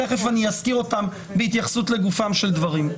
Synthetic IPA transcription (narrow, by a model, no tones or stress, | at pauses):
eχefanijaskiʁo̞tam | beit̪jaχsutle̞ɡufamʃe̞ld̪vaʁim